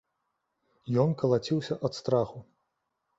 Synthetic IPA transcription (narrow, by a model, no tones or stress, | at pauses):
jɔnkɐlˠat͡sʲiwsʲɐʔɐt̪st̪ɾaxu